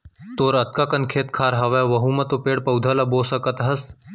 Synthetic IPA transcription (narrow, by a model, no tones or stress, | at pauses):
t̪oːɾɐt̪̚kakɐnkʰeːt̪kʰaːɾɦɐʋeʋɐɦumɐt̪opeːɽpɐwd̪ʱɐlɐboːsɐkɐt̪ɦɐs